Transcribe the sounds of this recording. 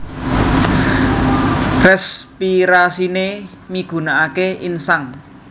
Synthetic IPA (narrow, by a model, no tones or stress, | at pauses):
rɛspiɾasine | miɡ̥ṳnaakeʔinsaŋ